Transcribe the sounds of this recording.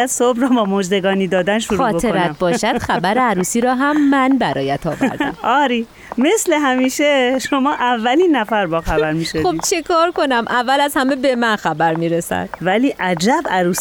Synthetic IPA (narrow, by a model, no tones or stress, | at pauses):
jæd̪̥sobɾɒːbɒːmod͡ʒd̪e̞ɡɒːniːd̪ɒːd̪ænʃuɾuɒːtboeɾæt̪̚bɒːʃæd̪xæbæɾeæɾuːsiːɾɒːɦæmːænbæɾɒ̰ːjæt̪ʰɒːv̰ɾd̪æʔɒːɾi | me̞sle̞ɦæmiːʃeʃomɒːʔævːæliːnːæfæɾbɒːxæbæɾmiːʃooib̥t͡ʃʰekʰɒːɾko̞næmʔævːælæzhæmebemænxæbæɾmiːɾesæ̰d̪̥væliːʔæd͡ʒæbæɾuːs